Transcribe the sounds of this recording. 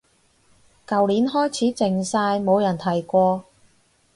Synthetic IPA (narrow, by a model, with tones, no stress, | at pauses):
kɐ˨wliː˨˥nɦɔː˥jt͡sʰiː˨˥t͡sɪ˨ŋsaː˧jmo˨˧wjɐ˨˩nt̪ʰɐ˨˩jkʷɔː˧